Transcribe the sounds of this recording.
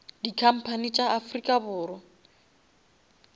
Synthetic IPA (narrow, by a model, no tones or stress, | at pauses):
dikʰam̩pʰanit͡ʃʼaːfrikʼabʊːɾɔ